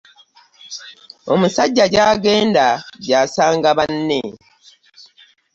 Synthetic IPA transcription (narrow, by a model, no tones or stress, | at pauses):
o̞̰musaɟːaɟaːɡe̞ːndaɟaːsaːŋɡaβanːe